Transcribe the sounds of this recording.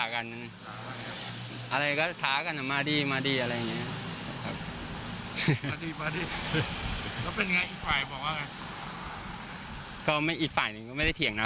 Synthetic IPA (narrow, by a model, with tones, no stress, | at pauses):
a˨˩ka˧nʰ˧a˨˦a˧˩˦ | ʔa˧ɾa˧jkɔː˥˩t̪ʰaː˨˦˥ka˧nːʔa˨˩maː˧diː˧maː˧diː˧ʔa˧ɾa˧jːa˨˩ŋːi˦˥ɐ˧kʰa̰˦p̚ʰ | a˧diː˧maː˧diː˧ | kɔː˥˩pe˧n˧ŋaː˧jiː˨˩k̚faː˨˩jbɔː˨˩k̚waː˥˩ka˧n | kɔː˥˩ma˥˩jʔiː˨˩k̚faː˨˩jnɯ˧ŋkɔ˥˩ma˥˩jda˥˩jt̪ʰi˩əŋna˦˥